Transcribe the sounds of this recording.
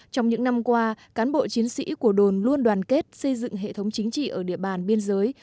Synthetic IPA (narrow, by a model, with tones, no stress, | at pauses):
t͡ɕɔ˧wŋ͡mɲɨ̰˧˥ŋna˧mkwaː˧kaː˨˦nɓo̰˧˨t͡ɕi˨˦ənsḭ˧˥ku˧˩əɗo˨˩nlu˧ənɗwaː˨˩nke˦˥t̚sə˧jzɨ̰˧˨ŋɦḛ˧˨t̪ʰə˨˦wŋ͡mt͡ɕï˨˦ŋ̟t͡ɕḭ˧˨ʔəː˧˩ɗi˧˩əɓaː˨˩nɓi˧ənzəː˨˦j